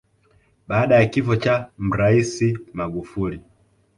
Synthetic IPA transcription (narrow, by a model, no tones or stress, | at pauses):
ɓaːɗajakifɔt͡ʃam̩ɾaisimaɡufuli